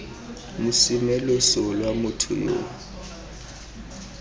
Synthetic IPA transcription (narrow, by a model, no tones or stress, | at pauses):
nisimɛlɔsɔlwamutʰṵjo̰